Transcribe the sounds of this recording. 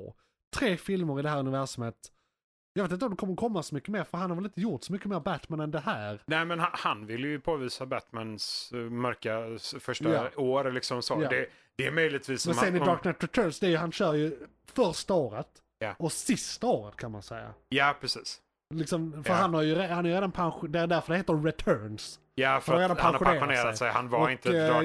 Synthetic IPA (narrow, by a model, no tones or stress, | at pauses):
t̪ʰːɾeːfɪlmʊɾɪd̪ɛɦæːɾɵnɪvæɾʂamheːt̪ | jɑeːt̪ɪnt̪ɔmd̪ɛkʰɔmːəɾkʰɔmːasɔmʏkːəmeːɾfœɾɦanhaɾvɛlɪnt̪əjʊɾʈsɔmʏkːəmeːɾbæt̪mænɛnd̪ɛɦæːɾnɛːmɛnahanvɪljɵpʰoːviːsabæt̪mansmœɾkafœʂaaoːɾlɪksɔmsoːjad̪ɛ | d̪ɛːmœjlɪɡ̚t̪viːsːmɔɛnmɛmɪɑːɾknɛt̪ːɾɛt̪ʰœːnsd̪ɛæɾjɵɦanɕœːɾjɵ | fœɾʂt̪aoːɾət̪ | jɔsɪst̪aoːɾət̪̚kʰanmansɛjːa̰jaːpʰɾɛsiːs | lɪksɔmfœɾanhaɾjɵɾehanaɾjɾeːd̪anpʰanɧd̪ɛæɾd̪æɾfœɾɛheːt̪əɾɹɛt̪ʰœːns | jafnɾahaɾeːd̪anaaŋaɾɧʊeːɾɧʊneːɾasɛjhanvaɔɪnt̪ə